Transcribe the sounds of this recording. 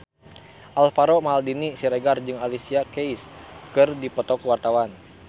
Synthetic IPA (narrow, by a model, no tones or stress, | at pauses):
ʔalfaɾomaaldinisiɾeɡard͡ʒɨŋalisiakejskɨrdipət̪ɔkəwart̪awan